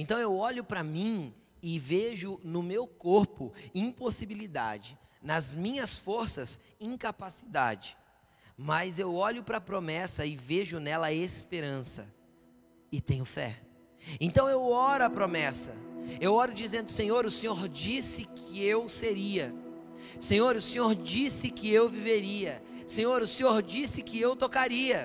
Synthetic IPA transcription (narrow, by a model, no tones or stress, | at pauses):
ẽnt̪ɐ̃w̃ewɔʎʊpɾɐmĩ | ɪveʒʊnʊmewkoɾpʊĩposibilid̪a̰d͡ʒɪnɐzmĩɲɐsfoɾsɐz | ĩŋkapasid̪a̰d͡ʒɪ̥ | mɐzewɔʎʊpɾɐpɾomɛsɐɪveʒʊnɛlɐespeɾɐ̃sɐ̰ | ɪt̪ẽɲʊfɛ̰ | ẽnt̪ɐ̃w̃ewɔɾʊɐpɾomɛsɐ̰ewɔɾʊd͡ʒizẽnd̪ʊsẽɲoɾʊsẽɲoɾd͡ʒisɪkʰɪewseɾiɐ | sẽɲoɾʊsẽɲoɾd͡ʒisɪkɪewviveɾiɐ | sẽɲoɾʊsẽɲoɾd͡ʒisɪkɪewt̪okaɾiɐ